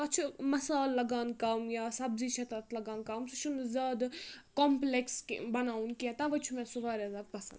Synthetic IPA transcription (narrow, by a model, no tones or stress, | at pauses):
ɐt͡ʃʰumɐsaːlːɐɡaːnkaːmjaːsɐbziʃɐt̪ɐt̪lɐɡaːnkaːmsuʃʰunzʲaːd̪koːmplekskbɐnaːunkiɛ̃t̪ɐʋɐt͡ʃʰumɛ̃sʊʋaːɾazab̪̚pɐsɐ̰nd̪